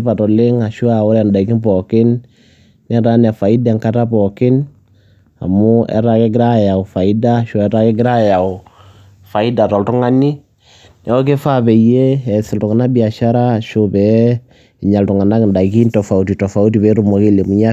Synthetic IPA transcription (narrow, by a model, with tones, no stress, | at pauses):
pa˨tɔ˨lɪ˦ŋa˨ʃʊ˦a˨ʊ˦ɾɛ˨nda˨ikɪ˦npɔkɪ˦nː | ɛ˦ɾa˦nɛ˨fa˨ɪ˦dɛ˨ŋka˦ta˦pɔkɪ˦n | a̰˨mʊ˦ɛ̰˦ɾa˦kɛ˦ɡɪ˦ɾa˦ja˨ʊfa˨ɪ˦da˦ʃʊ˨ɛ˦ɾa˦kɪ˦ɡɪ˦ɾa˦ja˨ʊ˨ | fa˨ɪ˦da˨tɔ˨ltʊ˦ŋa˦ni˦ | nɛ˨˦ɔ˦k̬e˦fa˦pɛ˨je˦ɛ˨sɪ˨ltʊ˨ŋa˨na˦bi˨a˨ʃa˦ɾa˦ʃo˦bɛ˦ | ɪ˨ɲa˨ltʊ˨ŋa˨na˦knda˨ki˦ntɔ˨fa˨u˨ti˨tɔ˨fa˨˦u˦ti˨bɛ˨˦ɾʊ˦mɔ˨ke˦le˨mʊ˦ɲa˦